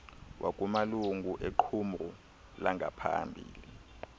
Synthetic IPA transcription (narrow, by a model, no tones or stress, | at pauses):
wʔa̰k̬ʼumaluŋɡʱuʔeǃʰumru | laŋʱa̰pʰa̰mbʱiːli